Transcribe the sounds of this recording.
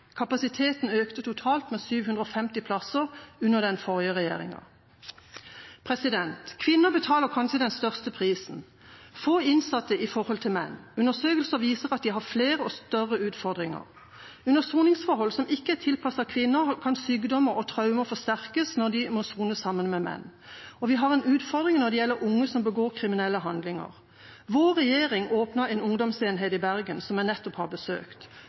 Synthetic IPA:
kʰɑpɑsɪt̪ʰeːt̪n̩øːkt̪ət̪ʊt̪ʰɑːlt̪meːsyːʋhʉnd̪ʁəofɛmt̪ɪpʰlɑsəʁʉnəʁd̪ɛnfɔʁjəʁɛjḛːʁɪ̰ŋɑ̰ | pʰʁɛsɪd̪ɛnt̪kʰʋɪnːəbət̪ʰɑːləʁkʰɑnʃəd̪ɛnst̪œʁst̪əpʰʁiːsn̩ | foːɪnsɑt̪ːəʔɪfɔʁhɔlt̪ʰɪlmɛnːʉnəʁsøːkəlsəʋiːsəʁɑt̪̚d̪iːɦɑfleːʁəɔst̪œʁəʉːt̪fɔʁd̪ʁɪŋə̰ʁ | ʉnəsuːnɪŋsfɔʁhɔlsɔmɪkːəæt̪ʰɪlpʰɑsɑkʰʋɪnːəkʰɑnsyːɡd̪ɔmːəɾɔt̪ʰʁɑʉməfɔst̪æʁkəsnɔd̪ɪmɔsuːnəsɑmːənmɛmɛ̰nːɔʋɪɦɑʁɛːnʉːt̪fɔʁd̪ʁɪŋnɔd̪ɛjɛlːəɾʔʊŋːəsɔmbəɡoːʁkʰʁɪmɪnɛlːəɦɑnd̪lɪŋə̰ʁ | ʋoːɾɛjeːʁɪŋoːpnəɾɛːnʊŋd̪ɔmseːnɦeːt̪ɪbæʁɡənsɔmjænɛt̪ːɔphɑʁbəsø̰ːkt̪

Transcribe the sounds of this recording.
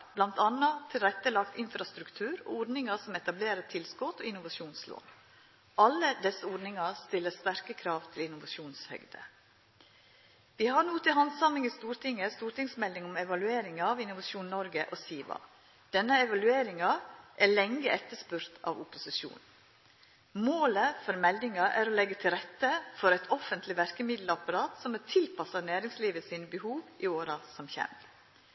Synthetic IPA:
b̥lɑnt̪ɑnɑt̪ʰɪlɾɛt̪ːəlɑkt̪ɪnfɾɑst̪ɾʉkt̪ʰʉːɾɔ̰ɔɖ̪nɪŋɑsɔmɛt̪ɑbleːɾət̪ʰɪlskɔt̪oːɪnʊʋɑʂuːnslo̰ːn | ʔɑlːəd̪ɛsəɔɾɖnɪŋɑst̪ɪlːəst̪æɾkəkʰɾɑːʋt̪ʰɪlɪnʊʋɑʂuːnshœ̰ɡd̪ə̰ | ʋɪːhɑnuːt̪ʰɪlɦɑnsɑmɪŋist̪uːɾt̪ʰɪŋəst̪uːɾʈ̪ɪŋsmɛld̪ɪŋɔmɛʋɑlʉeːɾɪŋɑʋɪnʊʋɑʂuːnnɔɾɡəʔosiːʋɑ̰ | d̪̥ɛnːəɛʋɑlʉeːɾɪŋɑʔɛlɛŋːəʔɛt̪ːəʂpʉɾt̪ʰɑ̰ːʋʊpʊsɪʂṵːn | moːləfɔɾmɛld̪ɪŋɑʔæɾoːlɛɡət̪ʰɪlɾɛt̪ːəfɔɾɛɪt̪ʰɔfənt̪lɪʋæɾkəmɪd̪lɑpɑɾɑːt̪sɔmət̪ʰɪlpʰɑsɑnæːɾɪŋsliːʋəsiːnəbəhuːʋɪoːɾɑsɔmçɛ̰m

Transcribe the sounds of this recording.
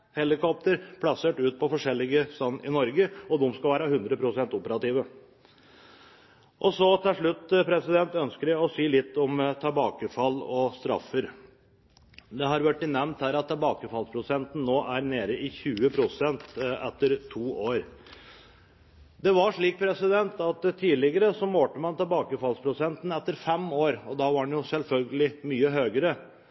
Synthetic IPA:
hɛlɪkɔp̚t̪əɾpʰlɑseːʈʉːt̪̚pʰɔfɔʂɛlːɪɡəst̪ɑnːɪ̰nɔɾɡəɔd̪ʊmskɑʋæːɾəhʉnd̪ɾəpʰɾʊsɛnt̪ʊpəɾɑt̪ɪːʋə | ʔɔsɔt̪ʰɪlʂɭʉt̪ːpʰɾɛsɪd̪ɛnt̪œnskəɾɔsiːlɪt̪ːɔmt̪ʰɑbɑːkəfɑlːɔst̪ɾɑ̰fəɾ | d̪ɛɦɑɾʋæʈːɪnɛmnt̪hæːɾɑt̪ːɛlbɑːkəfɑlspʰɾʊsɛnt̪n̩noːʔæɾneːɾəɪçʉːəpʰɾʊsɛnt̪ɛt̪ːəɾt̪ʰuːʔoːɾ | d̪ɛʋɑʂɭiːk̚pʰɾɛsɪd̪ɛnt̪ɑt̪ʰːiːlɪɡəɾəsɔmoːʈəmɑnt̪ʰɛlbɑːkəfɑlspʰɾʊsɛnt̪n̩ɛt̪ːəɾfɛmoːɾɔd̪ɑːʋɑɾɑnjʊsɛlfœlɡəlɪmyːəɦøːɡəɾə

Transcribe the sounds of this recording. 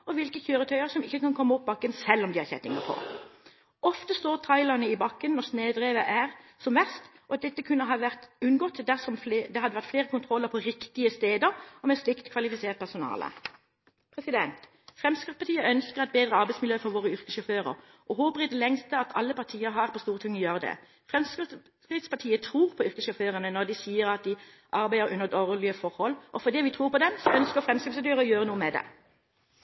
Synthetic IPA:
ɔʋɪlkəçøːʁət̪ʰœʏəʁsɔmɪçːəkɑnkʰɔmːəɔp̚ːbɑkːənsɛlːɔmd̪ɪhɑʁçɛ̰t̪ɪŋə̰pʰɔ̰ | ɔft̪əst̪oːʁt̪ʰɑɪlɑnəɪbɑkːənːɔʁsneːd̪ʁeːʋəʔæʁsɔmʋæʁst̪ | ɔɑt̪̚d̪ɛt̪ːəkʰʉnːəɦɑːʋæʁt̪ʉnɡɔt̪ːd̪æʁsɔmfd̪ɛhɑd̪əʋæʁt̪fleːʁəkʊnt̪ʰʁɔlːəɾpʰɔʁɪkt̪ɪəst̪eːd̪əʁɔmɛslɪkt̪kʰʋɑlɪfɪseːʁt̪̚pʰæsʊnɑ̰ːlə̰ | pʰʁɛsɪd̪ɛnt̪ | fʁɛmskɪtspɑt̪ʰiːəʔœnskəʁɛt̪̚beːd̪ʁəɑʁbæɪtsmɪljøːfɔɾʋoːʁəʏʁkəʃɔføːʁə̰ʁ | ʔɔɦoːpəʁɪd̪ɛlɛŋst̪əɑt̪ʰɑlːəpɑʁt̪ʰiːəɾɦɑːʁpʰɔst̪uːʁt̪ʰɪŋːjøːʁəd̪ɛ̰ | fʁɛms | kɪt̪spɑʁt̪ʰiːət̪ʰʁuːʁpʰɔʏʁkəsʃɔføːʁənənɔʁd̪ɪsiːəɾɑt̪̚d̪ɪ | ʔɑɾbæɪəɾʔʉnəd̪ɔʁlɪəfɔʁhɔlːʔɔfɔd̪ɛʋɪt̪ʰɾuːʁpɔd̪ɛmsɔʔœnskəfʁɛmskɪsd̪jøːʁəɔjøːʁənuːəmɛd̪ɛ̰

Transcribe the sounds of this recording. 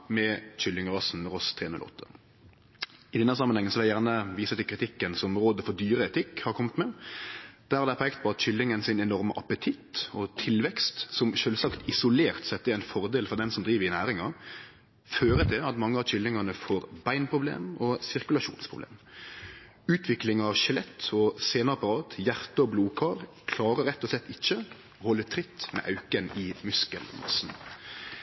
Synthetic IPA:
mɛɕʏld̪ɪŋʁɑsnʁɔst̪ʰɾeːnʉ̰lɔ̰t̪ːə̥ | ɪd̪ɛnːəsɑmənɛ̃ŋːənsɔʋɛlæjæʁnəʋiːsət̪ɪlkɾɪt̪ʰɪkːənsɔmɾoːd̪əfɔɾd̪yːɾəɛt̪ʰɪkːhɑɾkʰɔmːət̪mɛ | d̪̥æɾɑd̪æpʰːɛkt̪̚pɔɑt̪ɕʏlːɪŋənsɪnɛnɔɾməʔɑpət̪ʰɪt̪ɔt̪ʰɪlʋɛkst̪sɔmʃøːlsɑkt̪ɪsʊleːʁt̪sɛt̪ːəæɪnfɔɾd̪eːlfɔɾd̪ɛnsɔmd̪ɾiːʋəɾɪnæːɾɪŋɑ | føːɾəd̪ʰɛɑt̪mɑŋːəɑɕʏlːɪŋɑnəfoːɾbæɪnpʰɾʊblḛːmɔsɪɾkʉlɑʃṵːnspʰɾʊblḛːm | ʉːt̪ʰʋɪklɪŋɑʋʃɛlɛt̪ːɔseːnəɑpɑɾɑːt̪jæɾt̪əɔbluːkʰɑːɾ | kʰlɑːɾəɾɛt̪ːɔslɛt̪ːɪçːə | ɔhɔlːət̪ʰɾɪt̪ːmɛ̰ʔɑʉkənɪmʉskəlmɑ̰sn̩

